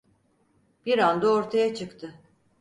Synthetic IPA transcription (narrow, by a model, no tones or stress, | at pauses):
b̥iɾand̪aoɾt̪ʰajat͡ʃʰɯkt̪ʰɯ